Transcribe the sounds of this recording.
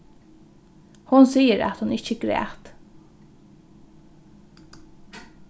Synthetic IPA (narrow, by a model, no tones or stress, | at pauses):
hʊnsiːəɾæ̰t̪hʊnɪt͡ʃəɡɾɛ̰ːht̪